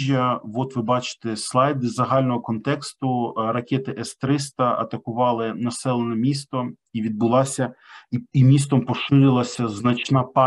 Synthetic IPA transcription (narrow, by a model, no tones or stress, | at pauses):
ʒʲjɐʋɔt̪ʋɪbɑt͡ʃɪ̥t̪ɛslˠɑjd̪ɪzːɐɦɑlʲnɔɦɔkɔnt̪ɛkst̪ʊrɐkʲɛt̪ɪʔɛst̪ɾɪst̪ɐɐ̰t̪ɐkʊʋɑlˠɪnɐsɛlˠenɛmʲist̪ɔ | iʋʲid̪̚bʊlˠɑsʲɐimʲist̪ɔmpɔʃɪɾʲɪlˠɐsʲɐznɐt͡ʃnɑpɑ